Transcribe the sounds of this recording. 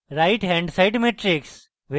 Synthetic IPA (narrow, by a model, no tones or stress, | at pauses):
ɾaɪʈɦɛ̃ɳɖsaɪɖmeːʈɾɪks | ʋe